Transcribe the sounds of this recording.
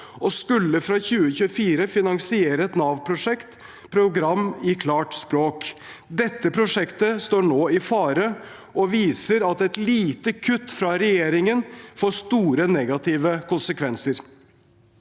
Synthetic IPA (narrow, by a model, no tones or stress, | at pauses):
ɔskʉlːəfɾɑçʉːəçʉːəfiːɾəfɪnɑŋsɪeːɾəɛt̪nɑːʋpʰɾʊʂɛkt̪ | pʰɾʊɡɾɑmːɪkʰlɑːʈspɾoːkd̪ɛt̪ːəpʰɾʊʂɛkt̪əst̪oːɳoːɪfɑːɾə | ʔɔʋiːsəɾɑt̪ɛt̪liːt̪əkʰʉt̪ːfɾɑɾɛjeːɾɪŋənfoːʂt̪uːɾənɛɡɑt̪ʰɪːʋəkʰʊnsəkʰʋɛnsəɾ